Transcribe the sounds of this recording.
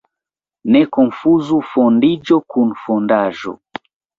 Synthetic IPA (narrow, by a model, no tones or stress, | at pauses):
nɛkɔɱfuzufɔndid͡ʒɔkʰun̩fɔndaʒɔ̰